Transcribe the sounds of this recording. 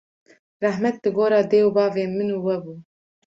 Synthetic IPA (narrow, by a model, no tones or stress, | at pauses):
rɛhmɛt̪̚lɨɡoːɾɑːd̪eːwbɑːveːmɨnuːwɛbuː